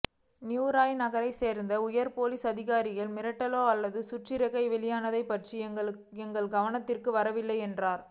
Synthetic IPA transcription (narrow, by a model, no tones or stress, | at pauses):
njuːɾaːjnɐɣɐɾɐɪseːɾnd̪ɐʊjɐɾpoːlisɐðɪɣaːɾɪɣɐlmɪɾɐʈːɐloːɐlːɐðɯsʊʈrɪɾɐɣɐɪʋɛɭɪjaːnɐðɐɪpːɐʈriɐ | ɛŋɡɐɭɡɐʋɐnɐt̪ːɪrkɯʋɐɾɐʋɪlːɐɪɛndraːɾ